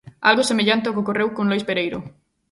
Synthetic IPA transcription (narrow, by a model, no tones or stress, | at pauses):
a̰lɣosemeʎant̪ɪokokorewkõnlojspeɾejɾʊ̰